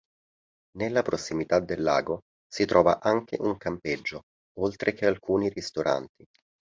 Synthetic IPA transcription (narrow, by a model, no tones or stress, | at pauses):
nelːapɾosːimit̪ad̪ːelːa̰ːɡo | sit̪ɾʔɔːva̰ʔaŋk̟ḛʔuŋkamped͡ʒːo | olt̪ɾʔek̟ealkuːnirist̪oɾʔa̰nt̪i